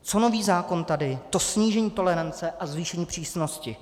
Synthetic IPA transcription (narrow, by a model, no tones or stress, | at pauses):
t͡so̞no̞viːzaːko̞nt̪adɪt̪o̞sɲiːʒɛɲiːt̪o̞lɛɾant͡sɛʔazviːʃɛɲiːpr̥iːsno̞scɪ